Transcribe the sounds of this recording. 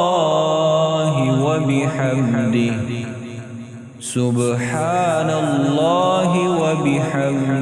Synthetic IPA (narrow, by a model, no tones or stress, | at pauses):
ɦɪwabɪħamd̪ɪ | sʊbħaːnallːaːɦɪwabɪħam